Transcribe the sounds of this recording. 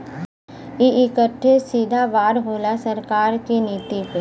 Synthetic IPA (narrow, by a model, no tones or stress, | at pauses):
iʔɪkəʈʰːesiːd̪ʱaʋaːɾɦoːlasɐɾkaːɾkineːt̪iko